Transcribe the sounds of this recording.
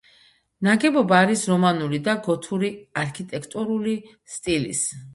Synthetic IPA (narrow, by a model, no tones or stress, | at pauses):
naɡɛbɔbaːɾisɾɔmanuɾid̪aɡɔt̪ʰuɾiaɾkʰit̪ʼɛkʰt̪ʼuɾuli | st̪ʼilḭs